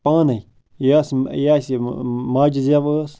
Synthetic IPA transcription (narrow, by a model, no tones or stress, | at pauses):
paːnɐj | jasjasmaːd͡ʒizjaʋəːs